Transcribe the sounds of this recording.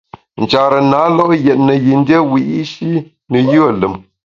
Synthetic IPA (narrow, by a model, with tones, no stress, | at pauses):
n̩˨t͡ʃa˨ɾə˨naː˨˦lɔ˦ʔjɛ˨t̚nə˨ji˨n̩˦de˦wi˨ʔi˦ʃi˦ | nə˨jɯ˦ə˨lə˨m